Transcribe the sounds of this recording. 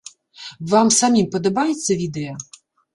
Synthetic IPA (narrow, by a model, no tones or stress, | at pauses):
vamsamʲimpɐd̪ɐbajɛt̪sːɐvʲid̪ɛjɐ